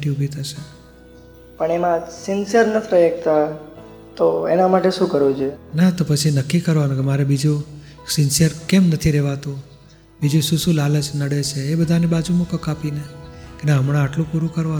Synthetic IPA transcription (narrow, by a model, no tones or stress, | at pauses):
ʈiubʱit̪ʰəʃe | pəɳemãsɪnsəɾnət̪ʰiɾəjək̚t̪a | t̪oenamaʈeʃũkəɾod͡ʒʰenat̪opət͡ʃʰinəkːikəɾʋanũkemaɾebid͡ʒu | sɪnsəɾkemnət̪ʰiɾɛʋat̪õ | bid͡ʒusũsũlaləd͡ʒnəɽet͡ʃʰeːbəd̪ʱanebad͡ʒumukəkapinekenaɦəmɽ̃ãːʈlũpuɾũkəɾʋa